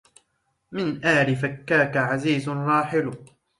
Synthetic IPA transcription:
mɪnʔaːɾɪfakːaːkaʕaziːzʊnɾˤɑːħɪlʊ

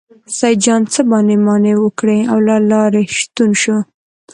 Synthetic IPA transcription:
sajd͡ʒɑnt͡səbɑnemɑnewəkɽeawlɑlɑɾeʃt̪unʃu

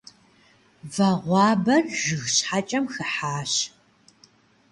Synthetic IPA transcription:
vɐʁʷɑːbɐrʒɨɣɕħat͡ʃʼɐmxɨħaːɕ

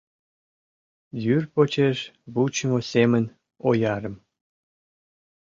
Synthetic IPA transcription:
jyrpot͡ɕeʃβut͡ɕmosemə̆nʲ | ojɑɾə̆m

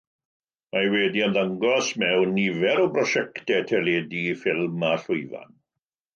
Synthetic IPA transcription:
majwɛdiənðəŋɡɔsmɛwnːivɛɾɔbrɔʃɛktɛtʰɛleːdifɪlˠmaɬʊɨva̰n

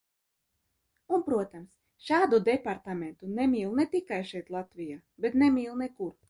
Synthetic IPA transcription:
unpɾuɔt̪ams | ʃaːd̪ud̪ɛpaɾt̪ament̪unɛmʲiːlˠnɛt̪ikajʃɛjt̪lˠat̪vʲijaː | bet̪nɛmʲiːlˠnekuɾ

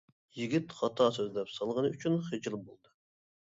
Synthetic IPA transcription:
jiɡʲit̪χɑt̪ʰɑːsøzd̪ɛpsɑlˠʁənɨyt͡ʃʰynχɨd͡ʒɨlˠbolˠd̪ɨ

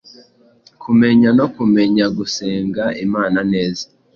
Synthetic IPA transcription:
kʰume̞ɲano̞kume̞ɲaɡuse̞ːŋɡaʔimaːnane̞ːzḁ

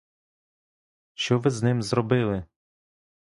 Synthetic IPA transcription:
ʃt͡ʃɔʋɪznɪmzɾɔbɪlˠɪ

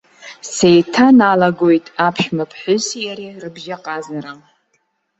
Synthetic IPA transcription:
sejtʰanalaɡojtʼapʰʃmapʰħʊsijaɾirɨbʒaqʼazaɾa

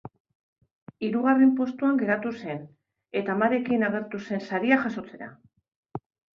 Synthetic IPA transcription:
iɾuɣare̞mpo̞st̪uaŋɡe̞ɾat̪use̞n | e̞t̪aːmaɾe̞kinaɣ̞e̞ɾt̪use̞nsaɾiaʝaso̞t͡se̞ɾa̰

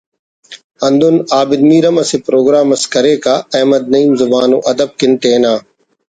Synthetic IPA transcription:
ɐ̃nd̪ʊnaːbɪd̪miːɾəmɐseːpɾoːɡɾaːmɐskɐɾeːkaːɛːmɐd̪̚nɐiːmzʊbaːno̰ːʔɐd̪əb̚kɪnʈeːnãː

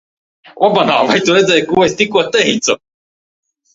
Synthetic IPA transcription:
ʔabana̰ːvajt̪uɾɛd̪zɛjkuesʲt̪ʲikuɔt̪ːɛɦit̪sɔ

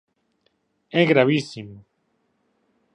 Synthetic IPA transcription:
eɣɾaβisimo

